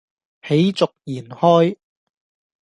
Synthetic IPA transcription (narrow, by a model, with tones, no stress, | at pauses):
he˨˥jt͡sʊ˨k̚jiː˨˩nhɔː˥j